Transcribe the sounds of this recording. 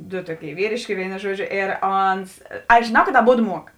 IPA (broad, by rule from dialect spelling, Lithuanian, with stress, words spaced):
dʊ ˈtuɔˌkʲeːɪ ˈʋʲiːrʲeːʃʲkʲeː ˈʋʲeːɪnoː ˈʒuɔdʲˌʒʲoː eːr ˈoːns ɐʃ ʒʲeːˈnɐʊ kɐt ɐˈboːdʊ ˈmuɔk